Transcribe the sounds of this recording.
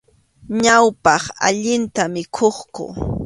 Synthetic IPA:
ɲawpɑχa̰ʎɪnt̪amɪkʰoχkʊ̰

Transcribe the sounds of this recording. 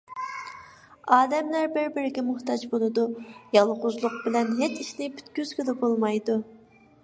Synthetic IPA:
ɑːd̪ɛmlæɾbɪɾbɪɾɪɡʲɛmuht̪ɑd͡ʒbolˠɨd̪ujɑlˠʁʊzlˠʊq̚bɪlɛnɦet͡ʃiʃnɪpʰy̥t̪kʲyz̥ɡʲyd̪ɛbolˠmɑjd̪u

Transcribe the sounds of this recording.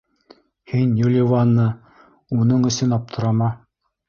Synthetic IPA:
hinjulʲɪvanːɤ | unɤɴɵ̆sɵnɑp̚t̪ʰɤ̆ɾɑmɑ

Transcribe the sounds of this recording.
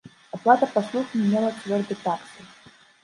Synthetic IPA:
aplˠat̪ɐpaslˠuxmʲimʲelˠɐsvʲɔrd̪ɨt̪aksɨ

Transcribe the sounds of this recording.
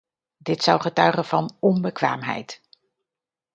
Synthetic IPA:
dɪtsɑwχətœɥχənv̥ɑnɔmbəkʋa̰ːmɦɛ̰jt

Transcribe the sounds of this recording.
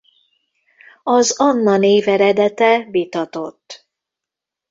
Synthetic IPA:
ɒzɒnːɒneːvɛɾɛd̪ɛt̪ɛvit̪ɒt̪o̞t̪ː

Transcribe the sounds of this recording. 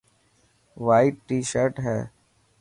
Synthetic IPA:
ʋaːɪʈʈːiːʃəɾʈɦɛː

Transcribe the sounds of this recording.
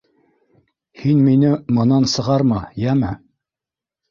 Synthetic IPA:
hinminɘmɤ̆nɑnsɤ̆ʁɑɾmɑjæmɘ

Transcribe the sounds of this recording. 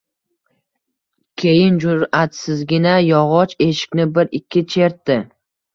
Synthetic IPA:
kʲʰe̞jɪnd͡ʒʊɾat̪sɪzɡʲɪnajɒʁɒt͡ʃe̞ʃɪ̥kʲnɪbɪɾɪkʲʰːɪt͡ʃʰe̞ɾt̪ːɪ

